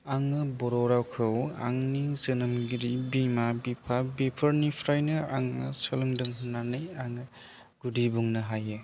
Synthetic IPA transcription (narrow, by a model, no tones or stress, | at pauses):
aŋːɯbɔɾɔɾawkʰɯwa̰ŋnizɯnɐmɡiɾibimabipʰabepʰɐɾnipʰɾajnɯa̰ŋɯsɯlɯŋdɯŋnanɯjaŋɯ | ɡ̥udibuŋnɯɦajɯ